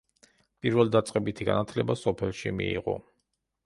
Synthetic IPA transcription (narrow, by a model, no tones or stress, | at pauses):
pʼiɾvɛlˠd̪at̪sʼqʼɛbit̪ʰiɡa̰nat̪ʰlɛbasɔpʰɛlˠʃimḭiʁɔ̰